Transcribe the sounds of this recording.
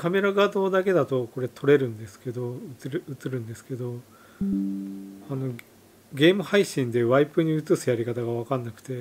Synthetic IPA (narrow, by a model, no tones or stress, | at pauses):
kame̞ɾaɡad̪o̞ːd̪ake̞d̪at̪o̞ko̞ɾe̞t̪ʰo̞ɾe̞ɾɯ̟̃nd̪e̞sɨ̥ke̞d̪o̞ɯɨɾɯt͡sɨɾɯ̟̃nd̪e̞sɨ̥ke̞d̪o̞ | ano̞ | ɡʲe̞ːmɯ̟haiɕĩnd̪e̞βaipɯ̟ɲ̟iɯt͡sɨsɨjaɾʲikat̪aɡaβakanːakɯ̟̥t̪e̞